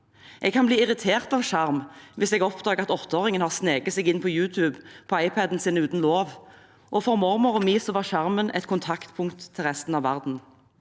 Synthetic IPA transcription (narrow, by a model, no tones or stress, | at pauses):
ʔɛɡkʰɑnbliːɪʁɪt̪ʰeːʁt̪ɑʋʃɑʁmʋɪsɛːɡɔpd̪ɑːɡəʁɑt̪ɔt̪ʰːəoːʁɪŋənhɑːʁsneːɡət̪sɛːɡɪnpʰɔjʉːt̪ʰʉːbpʰɔɑɪpʰæd̪n̩siːnəʉːt̪n̩loːʋ | ʔɔfɔʁmɔʁmɔʁɔmiːsəʋɑʃɑʁmənʔɛ̰t̪kʰʊnt̪ʰɑkt̪pʰʊŋkt̪ʰːɪlʁɛst̪n̩ɑːʋæʁd̪n̩